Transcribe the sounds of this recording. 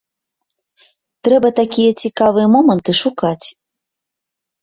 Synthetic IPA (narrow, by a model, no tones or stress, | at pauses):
t̪ɾɛbɐt̪akʲijɐt͡sʲikavɨjɛmɔmənt̪ɨʂukat͡sʲ